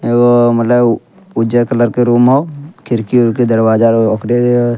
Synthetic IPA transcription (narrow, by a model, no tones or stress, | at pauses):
ewomɐt̪ləb | ʊd͡ʒəɾkɐləɾkeɾuːmɦoːkʰɪɾkiʊɾked̪ɐɾwaːd͡ʒaokɾe